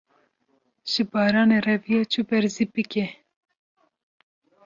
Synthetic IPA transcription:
ʒ̥ɨbɑːɾɑːnerɛvijɑːt͡ʃʰubɛɾzibɨke

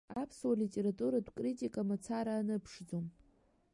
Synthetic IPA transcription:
apʰswalitʲʼe̞ɾatʼuɾadʷkʼritʲʼikʼamat͡sʰaɾaːnɨpʰʂd͡zom

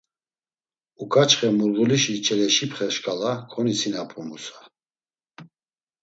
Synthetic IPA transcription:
ukʰʼat͡ʃχɛmuɾɣuliʃit͡ʃʰʼɛlɛʃipχɛʃkʼalakʰɔnisinapʰʼumusḁ

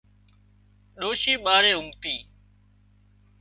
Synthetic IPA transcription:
ɗoːʃiːɓaːɾeːʊmt̪iː

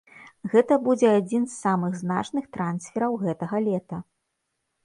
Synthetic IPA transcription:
ɣɛt̪ɐbud͡zʲɛad͡zʲinsːamɨɣznat͡ʂnɨxt̪ɾansʲfʲɛɾɐwɣɛt̪ɐɣɐlʲɛt̪ɐ

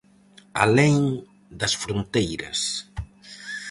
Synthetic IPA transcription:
a̰leŋ | d̪ɐsfɾont̪ejɾɐ̰s

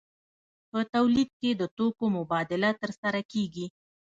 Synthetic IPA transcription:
pət̪awlid̪̚ked̪ət̪okomʊbɑd̪ɪlat̪əɾsaɾakeɡi

